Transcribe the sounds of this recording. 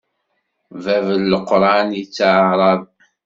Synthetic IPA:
vævəlːəqːɾˤɑnit͡sːaʕɾˤɑðˤ

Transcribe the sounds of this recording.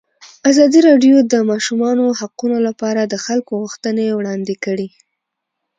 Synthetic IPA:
azɑd̪iɾɑɖjod̪əmɑʃumɑnohaqunolapɑɾad̪əxalkoɣuxt̪ənewɽɑnd̪ekəɽi

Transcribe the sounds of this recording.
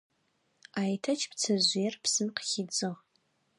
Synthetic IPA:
aːjtʰɐt͡ʃʰpt͡sʰɐʑʷijɛrpsɨmqəxɪd͡zɨʁ

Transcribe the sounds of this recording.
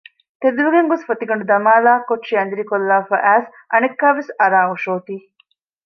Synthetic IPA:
t̪ed̪uɾuɡeŋɡosfɐt̪iɡɐɳɖud̪ɐmaːlaːkoʈːʃiɐnd̪iɾikolːaːfɐ̰ʔæːs | ʔɐnekːaːʋesɐɾaːuʃoːt̪iː

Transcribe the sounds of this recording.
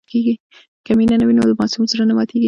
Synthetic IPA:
keɡi | kaminanawinolamɑsumsaɾanamɑt̪eɡi

